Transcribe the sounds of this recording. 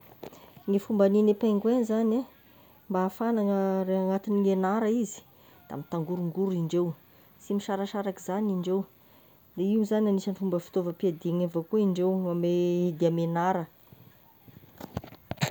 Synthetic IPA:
ŋefumbaninepeŋɡwenzane | mbaːfanaŋəɾeaŋat̪iniŋenaɾəizi̥ | d̪̥a̰mit̪aŋɡuɾuŋɡuɾiɳɖ͡ʐew | simiʃaɾəʃaɾakizaniɳɖ͡ʐew | d̪eiwzananisənifumbəfi̥t̪ovəpiad̪iaŋevokuiɳɖ͡ʐewamed̪iamenaɾə

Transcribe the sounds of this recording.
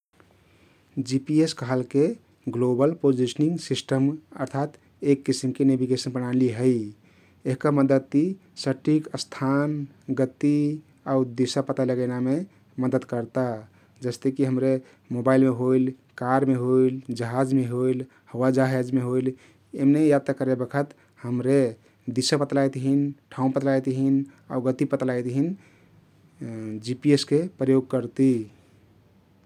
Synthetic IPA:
d͡ʒipieskɦalke | ɡlobəlpod͡ʒisəniŋɡsisʈəmə̰ɾt̪ʰat̪ | ekːisimkenebʱiɡesənbəñaliɦə | eɦkəməd̪əd̪isəʈʰikəst̪ʰan | ɡət̪ːi | aud̪isapət̪aləɡəname | məd̪əd̪kəɾt̪a | d͡ʒəst̪ekiɦəmɾe | mobailmeɦoil | kaɾmeɦoild͡ʒəɦad͡ʒmeɦoil | həwad͡ʒəɦad͡ʒmeɦoil | emnejat̪akəɾebəkʰət̪ | həmɾe | d̪isapət̪lajt̪ɦinʈʰaumpət̪lajt̪ɦina̰uɡət̪ipət̪lajt̪ɦin | d͡ʒipieskepɾəjoɡ̚kəɾt̪i

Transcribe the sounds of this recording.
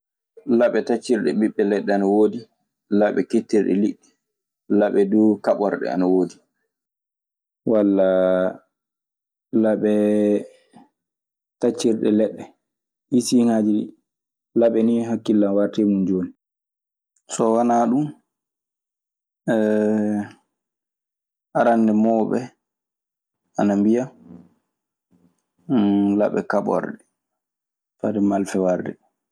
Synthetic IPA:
laɓɛtat͡ʃːiɾɗɛɓiɓːɛlɛɗːɛanawoːdi | laɓɛketːiɾɗɛ̰liɗːɛ | laɓɛdukaɓɔɾɗɛ̰a̰nawoːdi | walːa | laɓɛ | tat͡ʃːiɾɗɛ̰lɛɗːɛ | ʔisiŋad͡ʒiɗḭ | laɓɛniɦakːilːanwaɾtemund͡ʒoːni | sɔwanaɗum | ɛ | aɾandɛmɔɓɛ | anambija | la̰ɓɛ̰kaɓɔ̰ɾɗɛ | fadɛmalfɛwaɾdɛ̰

